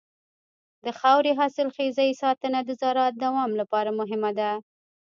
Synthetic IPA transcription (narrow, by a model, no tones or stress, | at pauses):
d̪əxawɾeɦɑsɪlxezaisɑt̪ənad̪əzɑɾɑt̪̚d̪awɑmlapɑɾamʊɦɪmad̪a